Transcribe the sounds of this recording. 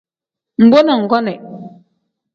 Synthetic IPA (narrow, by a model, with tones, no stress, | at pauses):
m̩˨bɔ˦na˨ŋ̩˨ɡɔ˦nɛ˨